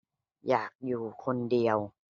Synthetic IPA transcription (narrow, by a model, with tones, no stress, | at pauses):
jaː˨˩k̚juː˨˩kʰo˧ndi˧əw